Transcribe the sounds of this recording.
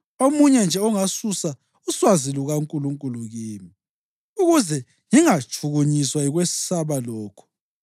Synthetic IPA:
omuɲɛnd͡ʒʱɛɔŋasusa | uswaziluɣaŋkʼuluŋkʼuluɣiːmi | uɣuzɛ | ŋiŋat͡ʃʼʰuɣuɲiswaiɣwesi̥saβalɔːkʰɔ̥

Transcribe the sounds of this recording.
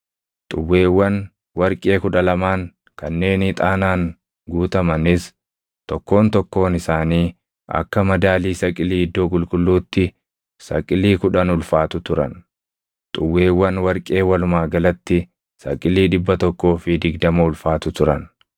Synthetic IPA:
t̪ʼʊwːeːwːɐn | wɐɾkʼe̞ːkʊᶑɐlɐmaːŋ | kɐnːe̞ːnɪt̪ʼaːnaːŋ | ɡuːt̪ɐmɐnɪs | t̪ɔkːo̞ːnt̪ɔkːo̞ːnɪsaːniː | ɐ̰kːɐmɐd̪aːliːsɐkʼɪliːɪd̪ːo̞ːkʼʊlkʼʊlːuːt̪ːɪ | sɐ̰kʼːɪliːkʊᶑɐnʊlfaːt̪ʊt̪ʊɾɐ̰n | t̪ʼʊwːe̞ːwːɐnwɐɾkʼe̞ːwɐlʊmaːɡɐlɐt̪ːɪ | sɐ̰kʼɪliːᶑɪbːɐt̪ɔkːo̞ːfɪd̪ɪɡd̪ɐmɐʊlfaːt̪ʊt̪ʊɾɐn

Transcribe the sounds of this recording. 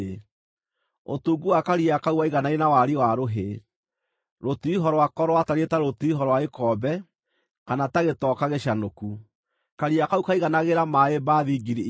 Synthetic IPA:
o̰tuːɡuwakaɾiakauwaiɣanainawaɾiwaɾoɦe | ɾotuiɦɔɾɔwakɔɾwataɾeetaɾotuiɦɔɾɔwaekɔːbɛ | kanataɣetɔkaɣeɕanoku | kaɾiakaukaiɣanaɣeɾamaebaðiɡiɾi

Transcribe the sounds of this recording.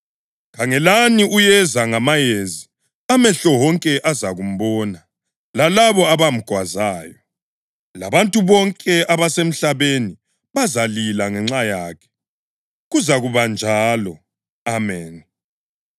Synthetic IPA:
kʰaŋɛlaniʔujɛzaŋamajezi | amɛɬɔwɔŋkʼɛʔazaɣum̩βɔːna | lalaβɔaβam̩ɡ̥ʱwazaːjɔ | la̰βantʼuβɔŋkʼɛaβasem̩ɬaβeni | βazalilaŋɛŋ͡ǁajaːkʰɛ̥ | ɣuzaɣuβand͡ʒʱaːlɔ | amɛːn

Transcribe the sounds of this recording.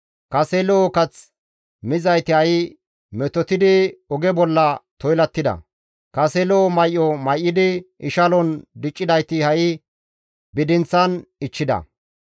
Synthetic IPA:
kɐseloːkɐt͡s | mɪzɐjt̪ɪhɐj | mɛt̪ɔt̪ɪd̪ɪɔɡɛbɔlːɐt̪ɔjlɐt̪ːɪd̪ɐ̰ | kɐseloːmɐjʔːɔmɐjʔːɪd̪ɪɪʃɐlɔnd̪ɪt͡ʃʼːɪd̪ɐjt̪ɪhɐj | bɪd̪ɪnt͡sːɐnɪt͡ʃːɪd̪ɐ̰

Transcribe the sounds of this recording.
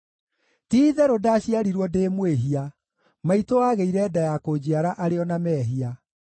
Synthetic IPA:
tiːðɛɾodaɕiaɾiɾwɔdeːmweɦia | maitoaɣeiɾɛdajakod͡ʑiaɾaʔaɾeɔnamɛːɦia

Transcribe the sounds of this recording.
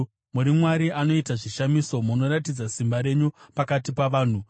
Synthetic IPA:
muɾimwaɾiʔano̞itaʐiʃamiso̞muno̞ɾat̬id͡zasimbaɾe̞ɲupakatipaʋaːn̤u

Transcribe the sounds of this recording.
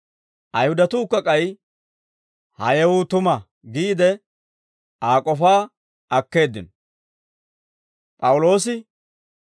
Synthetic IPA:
ʔɐjhʊd̪ɐt̪uːkːɐkʼɐj | hɐ̰jɛwʊːt̪ʊmɐ | ɡiːd̪ɛ | aːkʼɔfaː | ɐkːe̞ːd̪ːɪnɔ | pʼɐwʊlo̞ːsɪ

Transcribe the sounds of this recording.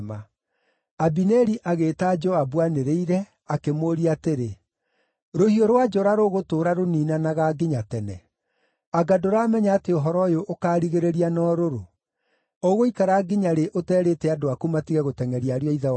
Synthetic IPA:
ma | abinɛɾiʔaɣeːtad͡ʒɔabwaneɾeiɾɛ | akemoɾiateɾe | ɾohioɾwad͡ʒɔɾaɾoɣotoːɾaɾoniːnanaɣaɡeɲatɛnɛ | aɡadoɾaːmɛɲaːteoɦɔɾɔjoʔːkaːɾiɣeɾeɾianɔɾoɾo | ɔɣoikaɾaːɡeɲaɾeʔotɛːɾetɛadoakumatiɣɛɣotɛŋɛɾiaɾeɔiða

